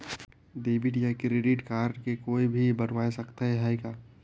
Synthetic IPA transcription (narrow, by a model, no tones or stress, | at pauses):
ɖeːbɪʈjakɾeɖɪʈkaːɾɖkekoːibʱibəɽʋaːesəkt̪aɦɛɦajkaː